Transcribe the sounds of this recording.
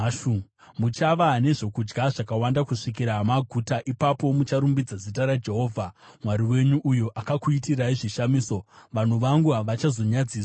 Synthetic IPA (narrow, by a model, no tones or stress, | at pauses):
mut͡ʃaʋaɦːne̞ʐo̞kud͡ʒɡaʐakawandakuʂikiɾamaɡʱutaʔipapo̞mut͡ʃaɾumbid͡zazitaɾad͡ʒe̞ɦo̞ːvʱamwaɾiwe̞ɲuʔːjoʔakakuitiraiʐiʃamiːso̞ʋan̤uʋaŋɡuɦaʋat͡ʃazo̞ɲad͡ziːs